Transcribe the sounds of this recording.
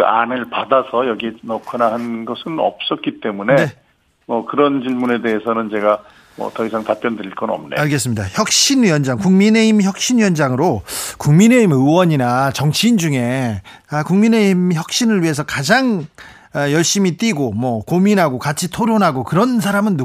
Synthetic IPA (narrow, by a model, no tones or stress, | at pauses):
a̰nɯɭpadasʰʌjʌɡienʌkʰanaɦhanɡʌsʰɯnʌ̰p̚s͈ʌk͈it͈e̞munee̞ | mʌkɯɾʌnt͡ɕiɭmune̞de̞ɦesʰʌnɯnt͡ɕe̞ɡa | mʌ̰tʌis̬ʰaŋtap͈jʌndɯiɭk͈ʌnʌ̰mneaɭɡe̞s͈ɯmɲidaçjʌk̚ɕ͈inɥjʌnd͡ʑaŋkuŋmine̞imçjʌk̚ɕ͈inɥjʌnd͡ʑaŋɯɾokuŋmine̞imɯwʌɲinat͡ɕʌŋt͡ɕʰiːnd͡ʑuŋe̞akuŋmineimçjʌk̚ɕ͈inɯɭɥiɦe̞sʰʌkad͡ʑaŋ | jʌɭɕ͈imit͈iɡomwʌkominɦaɡokat͡ɕʰitʰoɾjonɦaɡokɯɾʌns̬ʰaɾamɯnːu